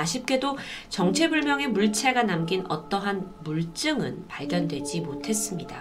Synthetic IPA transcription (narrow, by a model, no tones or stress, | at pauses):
aɕʰip̚k͈e̞dot͡ɕʌŋt͡ɕʰe̞buɭmjʌŋe̞muɭt͡ɕʰe̞ɡanamɡinʌ̰t͈ʌɦanmuɭt͡ɕ͈ɯŋɯ̰npaɭɡjʌndwe̞d͡ʑimotʰe̞s͈ɯmɲida